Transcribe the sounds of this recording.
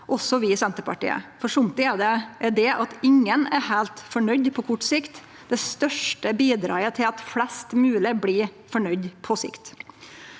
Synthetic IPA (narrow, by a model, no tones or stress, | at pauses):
ʔɔsːɔʋɪsɛnt̪əpɑ̰ʈḭːə̰fɔʂʊmt̪ɪæd̪ɛʔɛd̪ɛʔɑt̪ɪŋːənæɾhæːlt̪fɔɳœʏd̪pʰɔkʰɔʈsɪkt̪ | d̪̥ɛst̪œʂʈəbiːd̪ɾɑ̰ːət̪ʰɪlɑt̪flɛst̪mʉːləbliː | fɔɳœʏd̪pʰɔsɪ̰kt̪